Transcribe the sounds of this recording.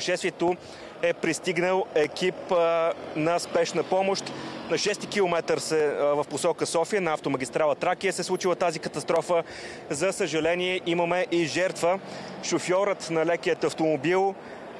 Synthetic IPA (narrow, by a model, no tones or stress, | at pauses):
ʃɛst̪viɛt̪o | ɛpɾist̪iɡnəlˠɛkip | nɐspɛʃnəpɔmoʃt̪nɐʃɛst̪ikilˠomɛt̪əɾsɛvɐfposɔkəsɔfijənɐaft̪oməɡʲist̪ɾalˠət̪ɾakiəsɛslˠut͡ʃilˠət̪azikət̪ɐst̪ɾɔfə | zəsəʒɐlɛniɛʔiməmɛʔiʒɛɾt̪və | ʃofʲjɔɾət̪nɐlɛkijət̪ɐft̪omobilˠ